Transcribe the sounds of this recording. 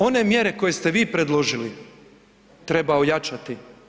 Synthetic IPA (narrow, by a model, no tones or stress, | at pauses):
o̞ne̞mje̞ɾe̞ko̞je̞st̪e̞ʋiːpɾe̞d̪lˠo̞ʒili | t̪ɾe̞baojat͡ʃat̪i